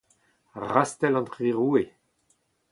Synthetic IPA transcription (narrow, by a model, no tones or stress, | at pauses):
ʁast̪ɛlɑ̃nt̪ʁiʁue